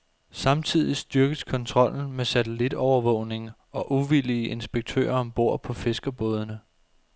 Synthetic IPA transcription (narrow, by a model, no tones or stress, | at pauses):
sɑ̈mt͡sʰið̞ˠisd̥yɐɡ̥əskʰɒ̽nt͡sʰʁɒ̽l̰n̩mesæt͡sʰelid̥ɒʊɐʋɔ̰̽ʊne̝ŋ | ɒ̽ʔuʋiliəʔe̝nsb̥eɡ̥̚t͡sʰø̰ːɐɒ̽mb̥o̝ɐ̰pʰɒ̽fe̝sɡ̥ɐb̥ɔ̽ːð̞ˠənə